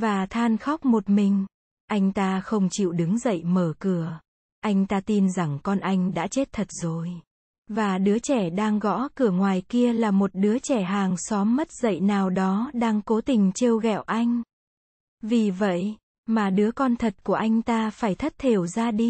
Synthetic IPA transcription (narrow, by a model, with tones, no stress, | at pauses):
vaː˨˩t̪ʰaː˧nxɔ˦˥k͡p̚mo˨˩t̚mï˨˩ŋ̟ | ʔa˧jŋ̟t̪aː˧xə˧wŋ͡mt͡ɕḭ˧˨wɗɨ˨˦ŋzə̰˧˨jməː˧˩kɨ˧˩ə | ʔa˧jŋ̟t̪aː˧t̪i˧nza˨˩ŋkɔ˧nʔa˧jŋ̟ɗa̰ː˧˥t͡ɕe˦˥t̚t̪ʰə˨˩t̚zo˨˩j | vaː˨˩ɗɨ˨˦ət͡ɕɛ˧˩ɗaː˧ŋɣɔ̰˧˥kɨ˧˩əŋwaː˨˩jki˧əlaː˨˩mo˨˩t̚ɗɨ˨˦ət͡ɕɛ˧˩ɦaː˨˩ŋsɔ˨˦mːə˦˥t̚zə̰˧˨jnaː˨˩wɗɔ˨˦ɗaː˧ŋko˨˦t̪ï˨˩ŋ̟t͡ɕe˧wɣɛ̰˧˨wʔa˧jŋ̟ | vi˨˩və̰˧˨j | maː˨˩ɗɨ˨˦əkɔ˧nt̪ʰə˨˩t̚ku˧˩əʔa˧jŋ̟t̪aː˧faː˧˩jt̪ʰə˦˥t̚t̪ʰe˨˩wzaː˧ɗi˧